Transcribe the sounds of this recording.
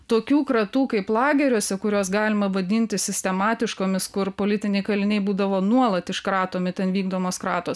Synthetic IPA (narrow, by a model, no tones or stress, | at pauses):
t̪oːkʲuːkɾɐt̪uːkɐɪplˠɑːɡʲɛɾʲuːsʲɛkʊɾʲoːsɡɑːlʲɪmɐʋɐd̪ʲɪnʲt̪ʲɪsʲɪsʲt̪ʲɛmɑːt̪ʲɪʃkoːmʲɪskʊrpoːlʲɪt̪ʲɪnʲɛɪkɐlʲɪnʲɛɪbuːd̪ɐʋoːnuɔlˠɐt̪ɪʃkɾɑːt̪oːmʲɪt̪ʲɛnʋʲiːɡd̪oːmoːskɾɑːt̪oːs